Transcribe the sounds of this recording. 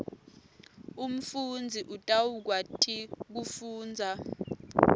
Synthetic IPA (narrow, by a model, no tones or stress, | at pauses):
um̩fund͡zʱiʔutʼawuk̬watʰik̬ufuːnd͡zʱa